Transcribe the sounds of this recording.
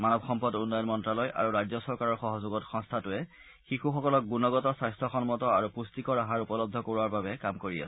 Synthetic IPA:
manɔbxɔmpɔdunːɔjɔnmɔntɹalɔjʔa̰ɹuɹajzɔsɔɹkaɹɔɹxɔɦɔzʊɡɔtxɔ̃ŋst̪ʰatʊɛ | xixuxɔkɔlɔk̚ɡunɔɡɔtɔsajstʰɔxɔnmɔtɔaɹupustikɔɹaɦaɹupɔlɔb̚d̪ʱɔkoɹuaɹbabɛkamkoɹia̰sɛ̥

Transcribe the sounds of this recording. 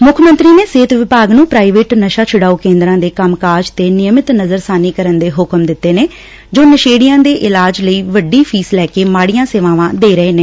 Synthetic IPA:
mʊkʰmə̃nt̪ɾiːneːseːt̪ʋɪpaːɡnũːpɾaːiʋeːʈnəʃaːt͡ʃʰʊɽaːuːkẽːnd̪ɾãːd̪eːkəmkaːd͡ʒt̪eːnɪjəmɪt̪nəzəɾsaːniːkəɾənd̪eːɦʊkəmd̪ɪt̪ːeːneː | d͡ʒoːnəʃeːɽɪjãːd̪eːʔɪlaːd͡ʒləiːʋəɖiːpʰiːslɛːkeːmaːɽijãːseːʋãːʋãːd̪eːɾəeːneː

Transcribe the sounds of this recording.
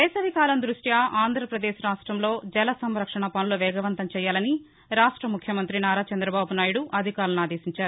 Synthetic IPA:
d̪ɛːsɐʋikaːlɐnd̪ɾuʂʈjaaːnd̪ʱɾɐpɾɐd̪eːʃɾaːʂʈɾɐmlo̞ːd͡ʒɛlɐsɐmɾɐkʂɐɳɐpɐnuloʋɛːɡɐʋɐnt̪ɐmt͡ʃɛːjaːlɐni | ɾaːʂʈɾɐmukʰjɐmɐnt̪ɾinaːɾaːt͡ʃɐnd̪ɾɐbaːbunaːjuɽuʔɐd̪ʱikaːɾɐnaːd̪eːʃiɲt͡ʃaːɾuu

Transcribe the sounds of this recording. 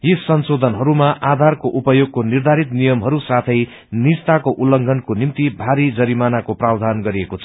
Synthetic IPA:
jisʌnsod̪ʱʌnɦʌɾumaʔad̪ʱarkoʔupʌjoɡ̚konird̪ʱaɾit̪nijʌmɦʌɾusat̪ʰʌj | nist̪akoʔulʌŋɡʱʌnkonimt̪ibʱaɾid͡zʌɾimanakoprawd̪ʱanɡʌɾiekot͡sʰʌ̥

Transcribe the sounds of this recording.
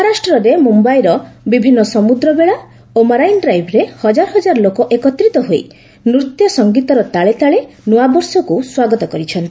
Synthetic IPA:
ɦaɾasʈɾɔɾemumbajɾɔbibʱinːɔsɔmud̪ɾɔbeɭa | omaɾajnɖɾajbʱɾehɔd͡ʒaɾɔɦɔd͡ʒaɾɔlokɔʔekɔt̪ɾit̪ɔɦoi | nuɾt̪jɔsɔŋɡit̪ɔɾɔt̪aɭet̪aɭe | nuabɔɾsɔkuswaɡɔt̪ɔkɔɾit͡ʃʰɔnt̪i

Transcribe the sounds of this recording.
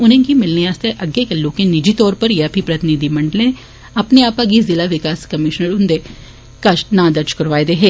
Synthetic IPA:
ʊnẽkimɪlneaːst̪eʔɐɡːekelːoːkẽnɪd͡ʒit̪ɔːɾpɐɾjapʰipɾɐt̪ɪnid̪imɐ̃ɳɖlẽ | ɐpneaːpɐɡizɪlaʋɪkaːskɐmɪʃnəɾʊnd̪e | kɐʃnãːd̪ɐɾd͡ʒkɐɾʋaːed̪eɦeː

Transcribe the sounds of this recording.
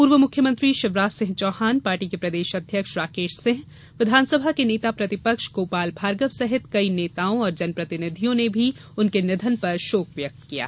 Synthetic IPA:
puːɾʋəmʊkʰjəmə̃nt̪ɾiʃɪʋɾaːsɪ̃ɦt͡ʃɔːhaːnpaːɾʈikepɾɐd̪eːʃɐd̪ʱjəkʃɾaːkeːʃsɪ̃ɦ | ʋɪd̪ʱaːnsəbʱakeneːt̪apɾɐt̪ɪpəkʃɡ̥oːpaːlbʱaːɾɡəʋsɐɦɪt̪kɐineːt̪aːõɔːɾd͡ʒɐnpɾɐt̪ɪnɪd̪ʱijõnebʱi | ʊnkenɪd̪ʱənpɐɾʃoːkʋjək̚t̪kija̰ː

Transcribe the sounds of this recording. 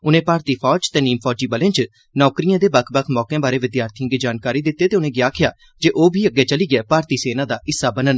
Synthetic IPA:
ʊnẽːpaːɾt̪iːpʰɔːd͡ʒt̪ɛ̃ːniːmpʰɔːd͡ʒiːbəlẽːt͡ʃ | nɔːkɾijãːd̪eːbəkʰbəkʰmɔːkãːbaːɾeːʋɪd̪jaːɾt̪ʰiə̃ːɡiːd͡ʒaːnkaːɾiːd̪ɪt̪ːeːt̪eːʊnẽːɡjaːkʰɪjaː | d͡ʒeːʔoːbʱiːəɡːeːt͡ʃəliːɡɪɛːpaːɾt̪iːseːnãːd̪aːʔɪsːaːbənən

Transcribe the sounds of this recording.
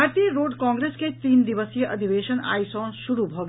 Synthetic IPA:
aːɾt̪ijəɾoːɖkɔ̃ːŋɡɾeːsket̪iːnd̪iʋəsijəʔɐd̪ʱiʋeːʃəna̰ːisɔːnʃuɾubʱoːɡ

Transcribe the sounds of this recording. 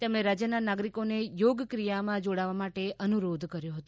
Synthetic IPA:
t̪emɽẽɾad͡ʒjənanaɡɾikonejoɡkɾijamãd͡ʒoɽaʋamaʈeʔənuɾod̪ʱkəɾjoɦət̪o

